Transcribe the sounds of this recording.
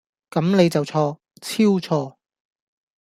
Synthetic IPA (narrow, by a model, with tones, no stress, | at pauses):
kɐ˨˥mne˨˧jt͡sɐ˨wt͡sʰɔː˧ | t͡sʰiː˥wt͡sʰɔː˧